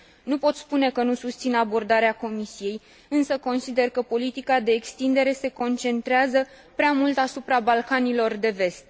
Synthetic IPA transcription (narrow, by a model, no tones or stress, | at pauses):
nupo̞t̪spune̞kənusust̪sinabo̞rd̪aɾeako̞misije̞j | ɨnsəko̞nsid̪e̞rkəpo̞lit̪ikad̪e̞ːkst̪ind̪e̞ɾe̞se̞ko̞nt͡ʃe̞nt̪ɾeazə | pɾeamult̪asupɾabalkanilo̞rd̪e̞ve̞st̪̚